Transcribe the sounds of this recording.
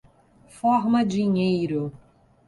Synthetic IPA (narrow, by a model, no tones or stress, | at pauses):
fɔɾmɐd͡ʒiɲejɾʊ